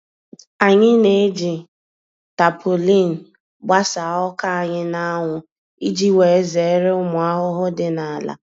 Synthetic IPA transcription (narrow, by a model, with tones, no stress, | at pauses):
a˨ɲɪ˦ne˨e˦d͡ʒi˨ | ta˨pʰo˨li˦˨n̩˨ | ɡ͡ba˦sa˨ɔ˦ka˦a˨ɲɪ˦na˦a˦ŋʷʊ˨ | i˦d͡ʒi˦we˨e˦ze˨˦ɾɪ˦ʊ˦mʊ˨a˦ɦʊ˦ɦʊ˦dɪ˨na˨la̰˨